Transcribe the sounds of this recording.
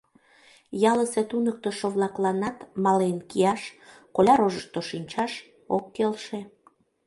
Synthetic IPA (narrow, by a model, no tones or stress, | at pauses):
jɑləset̪unək̚t̪əʃoβlɑklɑnɑt̪mɑlenkijɑʃkolʲɑɾoʒəʃt̪oʃinʲt͡ɕɑʃ | okːelʃe